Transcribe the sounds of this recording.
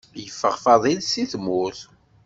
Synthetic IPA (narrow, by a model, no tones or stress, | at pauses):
jəfːəʁfɑðˤinsiθmʊθ